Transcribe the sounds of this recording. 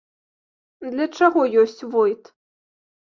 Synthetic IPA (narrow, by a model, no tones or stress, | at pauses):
d̪lʲɐt͡ʂaɣɔjɔsʲt͡sʲvɔjt̪